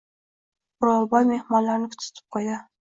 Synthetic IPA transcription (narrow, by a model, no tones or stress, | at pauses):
ʊɾɒlˠbɒjmehmɒnlaɾnɪkʰʊ̥t̪ʰːʊ̥t̪ʰɪ̥p̚qʰɒjd̪ɪ